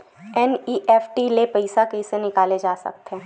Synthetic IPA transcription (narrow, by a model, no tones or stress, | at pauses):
ɛniːʔɛːfʰʈilepɐɪsakeɪsenɪkaːled͡ʒaːsɐ̰k̚t̪ɦɛ̃ː